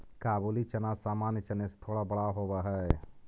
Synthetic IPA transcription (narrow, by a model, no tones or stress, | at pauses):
kaːbuːlit͡ʃənasaːmaːnjt͡ʃənest̪ʰoːɽabəɽaɦoːbaɦɛ